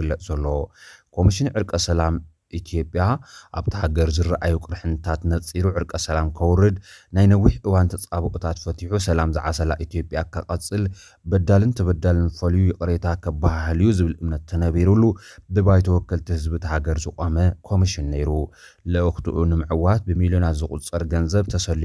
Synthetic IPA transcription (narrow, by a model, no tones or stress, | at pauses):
ɨlːɐʔzɐlːo̞kʰo̞miʃɪnʕɨɾkʼɐsɐlam | ʔit̪ʰijo̞pʼjaʔaβt̪ʰɐhaɡɐɾzɨɾːaʔajukʼɨɾħɨnɨt̪ʰat̪nɐt͡sʼːiɾuʕɨɾkʼɐsɐlamkʰɐwɾɨd̪najnɐwiħʔɨwant̪ʰɐt͡sʼaβɨkʼut̪ʰat̪fɐt̪ʰiħusɐlamzɨ̰ʕasɐla̰ʔit̪ʰijo̞pʼjakʰɐqʼɐt͡sʼːɨl | bɐd̪alɨnt̪ʰɐβɐd̪alɨnfɐljujɪkʼɾet̪ʰakʰɐbahhlijuzɨβɨlʔɨmnɐt̪ːʰɐnɐβiɾulːud̪ɨβajt̪ʰɐwɔkːɐlt̪ʰihɨzbɨt̪ʰɐhaɡɐɾzɨkʼɐmɐkʰo̞miʃɪnːejɾu | lɨʔɨxt̪ʰɨʔunɨmɨʕɨwat̪̚bɨmiljonat̪zɨkʼṵt͡sʼɨɾɡɐnzɐβt̪ʰɐsɐlːi